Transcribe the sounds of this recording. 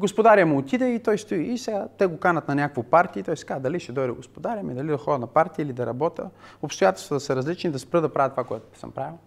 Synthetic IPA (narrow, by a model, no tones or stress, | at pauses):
ɡospod̪aɾʲɐmot̪id̪ɛit̪ɔjst̪ʊiːsɛɡat̪ɛɡokanɐt̪nɐnʲakvopaɾt̪iːt̪ɔjsɛ̥ɡad̪ɐliʃɛd̪ɔjd̪əɡospod̪aɾʲɐmid̪ɐlid̪ɐxɔd̪nɐpaɾt̪iilid̪ɐɾɐbɔt̪ə̰opst̪ʊjat̪ɛlˠst̪vət̪ɐsəɾɐzlit͡ʃnid̪ɐspɾɤd̪əpɾavət̪ovakoɛt̪ʊ̥sə̰mpɾavilˠ